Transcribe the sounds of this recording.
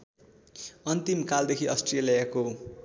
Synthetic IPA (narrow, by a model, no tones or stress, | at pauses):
ʌnt̪imkald̪ekʰiʔʌsʈrelijako